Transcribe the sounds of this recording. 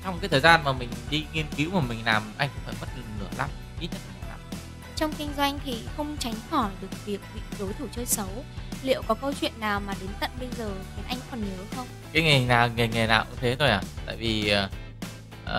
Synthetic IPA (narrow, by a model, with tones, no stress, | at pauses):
t͡ɕwŋ͡mkaː˨˦jt̪ʰəː˨˩zaː˧nmaː˨˩mï˨˩ŋ̟ɗi˧ŋi˧ənki˨˦wmaː˨˩mï˨˩ŋ̟laː˨˩mʔa̰˧jŋ̟kʊ̰˧˥ŋ͡mfaː˧˩jmə˦˥t̚lɨ˧˨nɨ˧˩əla̰˨˦˥m˧ʔi˦˥t̚ɲə˦˥t̚laː˨˩˨na̰ː˧˨˩ | t͡ɕɔ˧wŋ͡mkï˧ŋ̟zwa˧jŋ̟t̪ʰi˨˩xə˧wŋ͡mt͡ɕa˨˦jŋ̟xɔ˧˩jɗɨ˨˩ək̚vi˨˩ək̚hwḭ˧˨ɗo˨˦jt̪ʰu˧˩t͡ɕəː˧jsə˨˦wlḭ˧˨əwkɔ˨˦kə˧wt͡ɕwḭ˧˨ənːaː˨˩wmaː˨˩ɗe˨˦nt̪ə̰˧˨nɓə˧jzəː˨˩xi˨˦nʔa˧jŋ̟fɔ˨˩nɲə˨˦wxə˧wŋ͡m | kaː˨˦jŋe˨˩naː˨˩ŋe˨˩ŋe˨˩na̰ː˨˩wɲɨ˧t̪ʰe˨˦t̪ʰo˧jʔaː˨˩t̪a̰ː˧˨jvi˨˩ə˨˩ | ʔəː˨